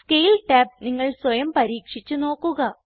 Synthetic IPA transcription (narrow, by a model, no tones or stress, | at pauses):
skeːlʈaːp̚niŋːɐɭswɐjɐmpɐɾiːkʂit͡ɕːuno̞ːkːuɣɐ